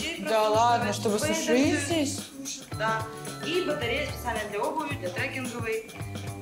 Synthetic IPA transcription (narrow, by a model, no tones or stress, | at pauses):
d̪alˠad̪nəʂt̪obɨsʊʂɨzʲdʲesʲ | d̪a | ibət̪ɐɾʲejəsʲpʲɪt̪sɨalʲnəjd̪lʲɐobɨvʲɪd̪lʲɐt̪ɾɛkʲɪnɡɨlˠɨj